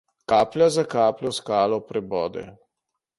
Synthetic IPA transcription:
kaːplʲjazakaːplʲɔskaːlɔpɾɛbɔːd̪ɛ̰

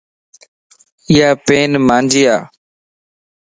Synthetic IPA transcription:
ɪjaːpeːnmãːnd͡ʒiːaː

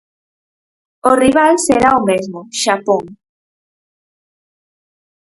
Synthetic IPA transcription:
oriβalseɾaomezmoʃapoŋ

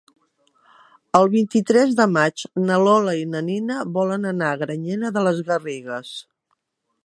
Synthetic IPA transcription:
əlˠβint̪it̪ɾɛzðəmad͡ʒnəlɔləinəninəβɔlənənaɣɾəɲenəðələzɣəriɣəs

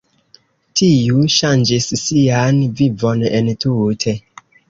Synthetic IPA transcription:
tʰijuʃand͡ʒisːianvivo̞nentutʰe̞

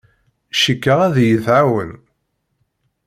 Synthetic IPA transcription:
ʃikːəʁæðjəθʕawəl

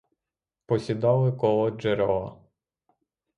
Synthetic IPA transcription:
pɔsʲid̪ɑlˠɪkɔlˠɔd͡ʒeɾɔɐ̰

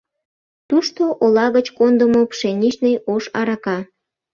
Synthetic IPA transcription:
t̪uʃt̪oʔolɑɣət͡ɕkond̪əmopʃenʲiʃnəjoʃɑɾɑkɑ

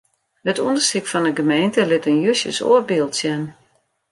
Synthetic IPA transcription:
hətɔndərsikfɔnəɡəmejntəlɪtənjøsjə̰so̰ərbɪːlˠtsjɛn

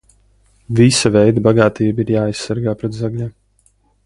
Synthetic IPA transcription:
visavɛjd̪abaɡaːt̪iːbiɾjaːajssːaɾɡaːpɾɛt̪zaɡlʲim

